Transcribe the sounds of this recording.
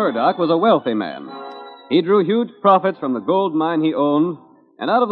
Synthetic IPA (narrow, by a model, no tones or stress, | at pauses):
ɜ˞dɑkwʌzəwɛlˠθimæ̰̃nidɹuɦjʉ̥d͡ʒ̥pʰɹ̥ɑfɨtsfɹʌ̃mðəɡoʊlˠd̚mãɪ̃niʔõʊ̃nd | ʔɨ̰̃naʊɾʌv